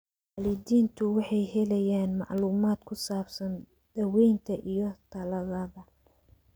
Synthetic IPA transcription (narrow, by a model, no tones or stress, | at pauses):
wɑːlɪðiːnt̪ʰʊwɑħɑjɦɛlɛjaːnmɑ̰ʕluːmaːd̪kʰʊsaːbsɐn | d̪̥ɐwɛjnt̪ʰɐʔijɞt̪ʰɐlɐðɐðɐ